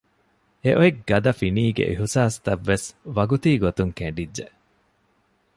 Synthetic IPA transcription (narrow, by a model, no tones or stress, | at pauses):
eʔoeɡɡɐd̪ɐfiniːɡḛʔiɦusaːst̪ɐʋːesʋɐɡut̪iːɡot̪uŋkeɳɖidːe